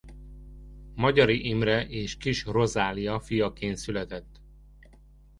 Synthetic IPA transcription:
mɒɟɒɾiʔimrɛʔeːʃkiʃro̞zaːlijɒfijɒkeːnsylɛt̪ɛt̪ː

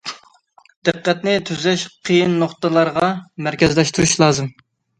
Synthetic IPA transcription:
d̪̥ɨqːɛt̪nɪt̪ʰyzɛʃqʰijinːoχt̪əlˠɑɾʁɑmæɾkʲɛzlɛʃt̪uɾuʃlˠɑːzɨm

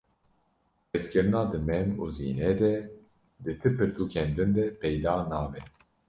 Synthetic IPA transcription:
ɛskɨɾɨnɑːd̪ɨmɛmuːzḭːnɛd̪ɛ | d̪ɨt̪ʰɨpɨt̪ʰuːkʰɛnd̪ɨnd̪ɛpʰɛjd̪ɑːnɑːvɛ

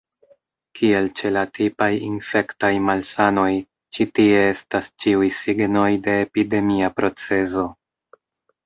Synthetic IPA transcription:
kʰie̞lt͡ʃe̞latʰipajinfe̞ktajmalsano̞j | t͡ʃitie̞estast͡ʃiujsiɡno̞jde̞ːpide̞miapɾo̞t͡se̞zo̞

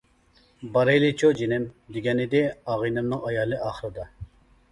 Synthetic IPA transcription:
bɑɾejlˠɪt͡ʃʰod͡ʒinɪmd̪ɪɡʲɛnɪd̪ɪɑːʁɨnɨmnɨŋɑjɑːlˠɨʔɑːχəɾɨd̪ɑ

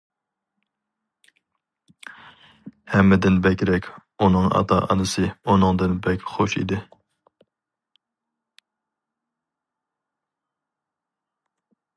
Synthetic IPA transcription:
hɛmːɪd̪ɪnbɛkʲɾɛkʲunɨŋɑ̰t̪ʰɑ̰ʔɑ̰nɨsɨunɨŋd̪ɨnbɛkʲχoʃḭd̪ɪ

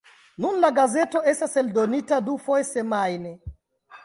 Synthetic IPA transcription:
nunlaɡazɛtɔɛsasɛldonitadufɔjɛsɛmajnɛ

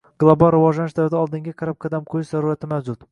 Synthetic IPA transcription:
ɡ̥lˠobɑlˠɾɪvɒʒlanɪʃd̪avɪd̪aɒlˠd̪ɪŋɡʲaqʰɑɾap̚qʰɑd̪amqʰʊjɪʃzaɾuɾat̪ʰɪmawd͡ʒʊt̪

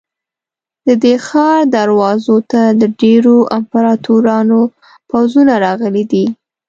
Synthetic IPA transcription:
d̪̥əd̪exɑɾd̪aɾwɑzot̪ad̪əɖeɾoʔampaɾɑt̪uɾɑno | pawzunaɾɑɣəlid̪i

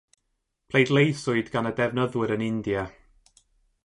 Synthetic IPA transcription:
pʰl̥ˠejdlˠejsʊɨdɡanədɛvnəðwɪɾənɪndja

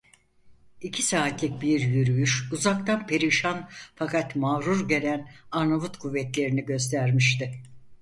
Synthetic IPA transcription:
icʰisaːt̪lʲic̚biɾjyɾyjyʃuzak̚t̪ʰanpʰe̞ɾiʃanfakat̪maɾuɾɟe̞lʲænaɾnavut̪kʰuvːɛt̪lʲe̞ɾiniɟø̞st̪ʰæɾmiʃt̪ɪ

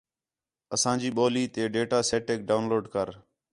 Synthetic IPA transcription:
əsãːd͡ʒiːɓoːliːt̪eːɖeːʈaːseːʈeːk̚ɖaːʊnloːɖkəɾ

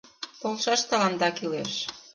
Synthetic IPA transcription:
polʃɑʃt̪ɑlɑnd̪ɑkileʃ

